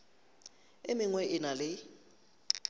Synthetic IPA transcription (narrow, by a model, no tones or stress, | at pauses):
emɪŋwɛʔɪnalɪ